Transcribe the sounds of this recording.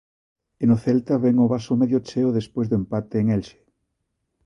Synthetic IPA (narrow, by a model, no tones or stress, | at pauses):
enoθelt̪aβɛŋoβasomeðjot͡ʃeoðespojzðoempat̪eːŋelʃe̥